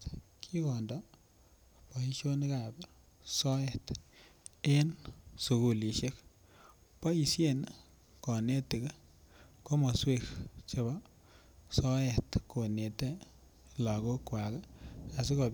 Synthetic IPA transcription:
kʰi˦kɔ˨ndɔ | pɔ˨i˦ʃo˦n˦ka˨bɛ | sɔ˦ɛ˨t | e˦nsu˨ku˨li˨ʃe˦k | pɔ˦i˨sje˦n | kɔ˨ne˦ti˨k | ko˦mɔ˨swe˦kt͡ʃe˦bɔ | sɔ˦ɛ˨tko˨ne˨te˦ | la˨ɡo˦kwa˨ka˨s̬i˦ko˨

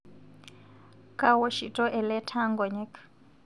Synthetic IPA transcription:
kʼa˦wɔ˦ʃi˨tʼɔ˦ʔɛ˨lɛ˦tʰa˦ŋɡɔ˨ɲɛ˦k

